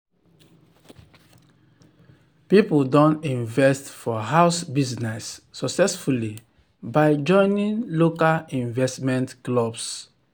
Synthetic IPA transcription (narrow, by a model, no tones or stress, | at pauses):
pipudɔ̃nĩnvɛstfɔɦaʊsbiznɛsːɔksɛsfuli | baɪd͡ʒɔ̃ɪ̃nĩnlokalĩnvɛstmɛ̃ntklɔbs